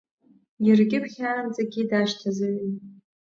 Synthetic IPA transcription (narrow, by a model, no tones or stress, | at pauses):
irɡʲʼɪpʰχʲarɨmt͡sʼaɡʲidaʃtʰazɨɥin